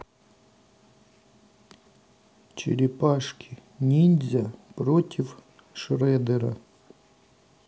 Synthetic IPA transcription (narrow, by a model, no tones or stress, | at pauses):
t͡ɕɪ̰ɾʲɪpaʂkʲʰɪ̥nʲinʲzʲɐpɾotʲɪf | ʂrɛd̪ɛɾɐ̰